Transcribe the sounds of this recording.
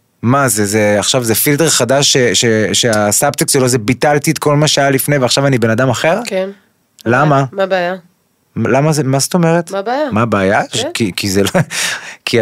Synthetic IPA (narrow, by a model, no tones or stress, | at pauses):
mazezeaχʃavzefilteʁχadaʃːeʃeʃeasapt̪ekselozebitalt̪itko̞lmaʃeajalifnejveaχʃavanibe̞nad̪amaχe̞ʁken | lamamabeja | lamazemast̪o̞meʁet̪jamabaːjakikizel | kʰi